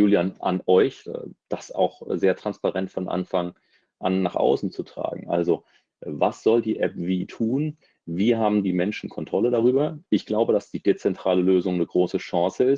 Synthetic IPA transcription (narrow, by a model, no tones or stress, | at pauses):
juːljaːnʔa̰nʔɔʏç̰d̥asa̰ʊxzeːɐtʁ̥anspaʁɛntfɔnʔa̰nfaŋ | ʔa̰nːaːχʔa̰ʊsn̩t͡sutʁ̥a̰ːɡŋ̩ʔa̰lzo | vasz̥ɔldiːʔɛp̚v̥iːtʰuːn | viːɦaːbm̩diːmɛnʃn̩kʰɔntʁ̥ɔlədaʁyːbɐʔɪçɡ̥laʊbədasd̥iːdet͡sɛntʁ̥aːləløːzʊŋnəɡʁoːsəʃãːsəɪs